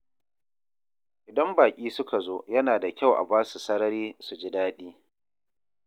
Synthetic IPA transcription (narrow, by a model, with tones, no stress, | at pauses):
ʔɪ˨dɐ˦mbaː˨kʲʼiː˦sʊ˦ka˨zoː˦jɐ˦naː˨da˨kʲa˦˨wʔa̰˨baː˦su˨sɐ˦ɽɐ˦ɾiː˦su˨d͡ʒɪ˦daː˦ɗiː˦